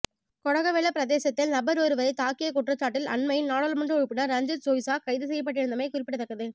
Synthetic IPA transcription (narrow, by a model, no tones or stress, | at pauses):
kɔɽɐɣɐʋɛɭːɐpɪɾɐðeːsɐt̪ːɪlnɐbɐɾoːɾɯʋɐɾɐɪt̪aːkɪjɐkʊʈrɐt͡ʃːaːʈːɪlɐ̰nmɐjɪnnaːɽɐːlmɐɳɖrɯɔɻɯpːɪnɐɾɐɲd͡ʒɐɾsoːʋɪsaːkɐɪðɯs̬ɛjːɐp̬ːɐʈːɪɾɯnd̪ɐmɐɪkʊrɪpːɪʈːɐt̪ːɐkːɐðɯ